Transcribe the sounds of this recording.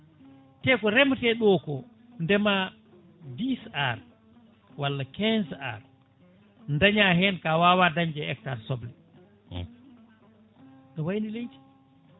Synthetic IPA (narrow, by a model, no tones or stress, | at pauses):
tɛkɔɾɛmtɛɗɔkɔ | ndɛma | bisaɾ | walːakɛnsa̰ɾ | ndaɲaɦɛnkawaːwadaɲd͡ʒɛɛk̚taɾsɔblɛ | ɗɔwajnilejti̥